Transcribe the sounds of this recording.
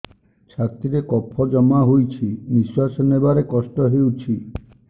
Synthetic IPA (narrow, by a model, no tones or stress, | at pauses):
t͡ʃʰaɾt̪iɾekɔpʰːɔd͡ʒɔmaɦojt͡ʃʰibiswasɔnebaɾekɔsʈɔɦewt͡ʃʰi